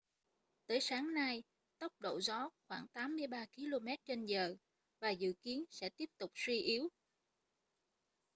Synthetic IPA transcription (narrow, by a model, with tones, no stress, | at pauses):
t̪əː˨˦jsaː˨˦ŋna˧j | t̪ə˦˥wk͡p̚ɗo̰˧˨zɔ˨˦xwaː˧˩ŋt̪aː˨˦mːɨ˧əjɓaː˧ki˨˧˦lo˧mɛ˦˥t̚t͡ɕe˧nzəː˨˩ | vaː˨˩zɨ̰˧˨ki˨˦ənsɛ̰˧˥t̪i˦˥əp̚t̪ʊ˨˩k͡p̚swi˧ʔi˨˦əw